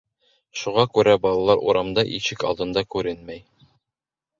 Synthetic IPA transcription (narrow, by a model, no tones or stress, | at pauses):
ʃuʁɑkʉɾæbɑlˠɑlˠɑɾʔṵɾɑmd̪ɑʔiɕɘkɑ̰lˠd̪ɤ̆nd̪ɑkʉɾɘnmæj